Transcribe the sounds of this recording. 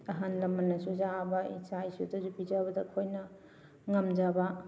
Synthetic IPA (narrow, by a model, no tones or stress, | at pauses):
ɐɦanlɐmːɐnɐsuzabɐḭsajsudɐzupid͡ʒabɐdɐkʰojnɐ | ŋɐmd͡ʒabɐ